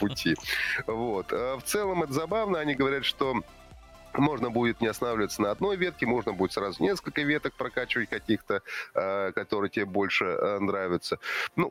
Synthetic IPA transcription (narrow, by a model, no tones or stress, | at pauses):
pʊtʲʰivo̞t̪əft̪sɛlˠəmɛt̪əzɐbavnəɐnʲiɡəvɐɾʲat̪ʂt̪o̞ | mo̞ʐnəbudʲɪt̪nʲɪɐsnavlʲɪvət̪sənəɐd̪no̞jvʲe̞t̪̚kʲɪmo̞ʐnəbudʲɪt̪sɾazʊnʲe̞skəlʲkəvʲe̞t̪ək̚pɾɐkat͡ɕɪvətʲkɐkʲixt̪ə | kɐt̪o̞ɾɨjətʲɪbʲebo̞lʲʂɨənɾavʲɪt̪sənu